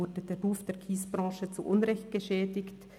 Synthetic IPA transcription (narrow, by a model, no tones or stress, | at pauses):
ʊdədeːduːfd̥eːɐkʰiːsb̥ʁɑ̃ːʃət͡suʔʊnʁɛçt̚ɡ̥əʃɛːdɪçt